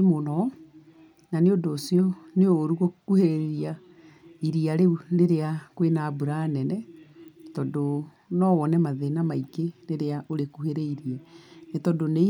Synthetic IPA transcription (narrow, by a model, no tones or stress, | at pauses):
emonɔ | naneodoːsiɔneoːɾuɣokuheɾeɾeɾia | iɾiaɾeuneɾeakwenaːbuɾaːnɛnɛ | tɔdo | nɔwɔnɛmaðenamaikeneɾeaʔoɾekuheɾɛiɾiɛnetɔdone